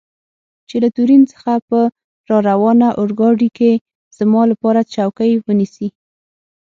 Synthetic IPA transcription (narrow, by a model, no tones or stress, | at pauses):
t͡ʃelat̪uɾint͡sə̥xapə | ɾɑɾawɑnaʔʊɾɡɑɖike | z̥mɑlapɑɾat͡ʃawkəjwənisi